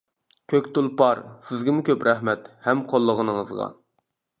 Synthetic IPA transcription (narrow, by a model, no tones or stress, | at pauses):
kʲʰøkʲt̪ulˠpɑɾsɪzɡʲɪmʊkʲʰøpɾɛhmɛt̪hɛmqʰolˠːəʁənɨŋəzʁɑ̰